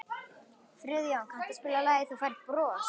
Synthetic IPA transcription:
fɾʏðjaakʰam̥t̪ɪspɪlalaːjɪθufajɾɪ̥t̪pɾɔː

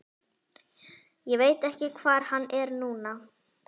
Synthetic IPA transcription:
jɛveːjt̪ɛhcɪkʰvaːɾ̥hanːɛɾnuːna

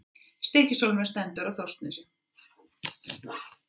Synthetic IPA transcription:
st̪eːcɪ̥sowlmɛst̪ɛnt̪ʏɾaɣθowst̪nɪsʏ

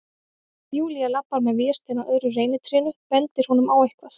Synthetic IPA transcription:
mjuːlialapːaɾmɛðvjɪːst̪ɛnaœðɾʏreːjnɪt̪ʰɾɪːnʏpɛnt̪ɪɾ̥hɔnʏmawehkvaθ

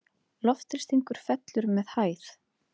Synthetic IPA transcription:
lɔft̪ɪ̥st̪iŋkʏɾ̥fɛt̪lʏɾmɛðhaːjθ

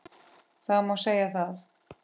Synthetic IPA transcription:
θaðmawseːjaθaθ

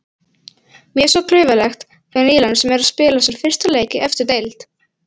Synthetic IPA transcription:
mjɛsɔkʰlʏːɥvalɛxt̪ʰ | ɛːɣaniːlansɛmɛɾaspɪːlasalfɪr̥st̪aleːjcɪʔɛft̪ɪɾt̪ejlt̪

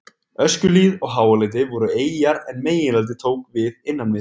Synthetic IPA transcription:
œscʏliːðɔɣɦaːwalejt̪̬ɪvɔɾʏeːjjaɾɛnmeːjɪnlalt̪ɪt̪ʰoːwkvɪðɪnːannɪ

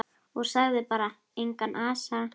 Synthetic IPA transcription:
uɾsaðɛpaɾa | iŋkanʔasa

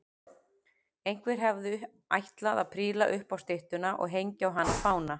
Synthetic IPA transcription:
ejŋ̥kvɛɾ̥ɦɛvðʏ | ajht̪laðaðpʰɾiːlaʔʏhpawst̪eht̪ʏnaʔɔ̰ɣɦejɲcawɦanːafaːwna

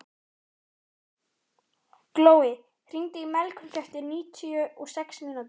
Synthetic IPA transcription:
kloːwɪ | hr̥iŋt̪ɪimɛlkʰnç̥œht̪ɪɾniːt̪ʰiʏɔɣsɛksminat̪

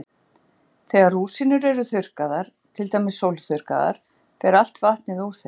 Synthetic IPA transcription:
θɛːɣaɾuːsinʏɾɛɾʏθʏr̥kaðaɾ̥ | t̪ʰɪlt̪aːjmɪsːowlθʏr̥ka̰ða̰ɾ̥ | pɛɾal̥t̪vaht̪nɪðuθe

